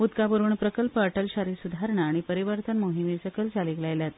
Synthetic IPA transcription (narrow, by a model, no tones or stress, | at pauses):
ut̪kapəɾuːɳpɾəkəlpəəʈəlɕaɾisud̪ʱaɾɳaaɽ̃ipəɾiʋəɾt̪ʰənmoɦimisəkəlsaliklajljat̪